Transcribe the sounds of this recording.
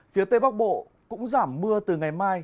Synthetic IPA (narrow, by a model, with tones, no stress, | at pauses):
fi˨˦ət̪e˧jɓa˦˥k̚ɓo̰˧˨ | kʊ̰˧˥ŋ͡mzaː˧˩mːɨ˧ət̪ɨ˨˩ŋa˨˩jmaː˧j